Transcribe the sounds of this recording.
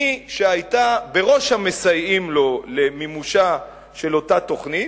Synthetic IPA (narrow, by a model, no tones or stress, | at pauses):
iʃeajtabe̞ʁo̞ʃhamesajimlo̞le̞mimuʃa | ʃe̞lo̞tat̪o̞χni